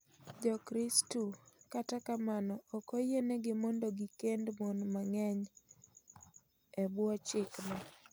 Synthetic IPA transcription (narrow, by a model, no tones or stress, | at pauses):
d͡ʒɔkɾɪstukatakamanɔːkojeneɡɪmɔndoɡikendmonmaŋɛɲ | ɛbwɔt͡ʃɪkna